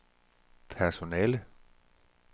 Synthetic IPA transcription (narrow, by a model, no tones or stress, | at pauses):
pʰæɐso̝nɛːlə